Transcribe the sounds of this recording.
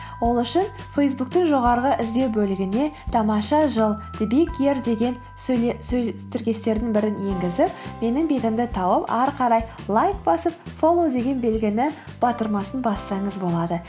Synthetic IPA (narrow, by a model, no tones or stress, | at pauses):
wo̞lˠʏʃɪn | fejsbuk̚t̪ɪŋʒo̞ʁɑɾəʁəʔɪzd̪e̞wbɵlɪɡʲɪne̞t̪ʰɑmɑʃɑʒəlˠd̪̥bikʲeɾd̪e̞ɡʲe̞n | sɵst̪ɪɾɡʲe̞st̪e̞ɾd̪ɪŋbɪɾɪnje̞ŋɡʲɪzɪp̚me̞nɪŋbe̞t̪ɪmd̪ɪt̪ʰɑwəpɑɾqɑɾɑj | lˠɑjkbɑsəp̚fo̞lˠod̪e̞ɡʲe̞nbe̞lɡʲɪnɪ | b̥ɑt̪əɾmɑsənbɑsːɑɴəzbo̞lˠɑd̪ə